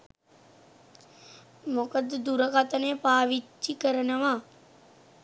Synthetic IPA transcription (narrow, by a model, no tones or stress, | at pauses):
mokəd̪d̪uɾəkat̪ənejpaːʋit͡ʃːikəɾənəʋa